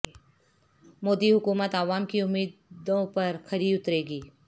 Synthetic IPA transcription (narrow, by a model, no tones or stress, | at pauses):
moːd̪iɦʊkuːmət̪aʋaːmkiʊmːiːd̪d̪õpɐɾxɐɾiʊt̪ɾeːɡiː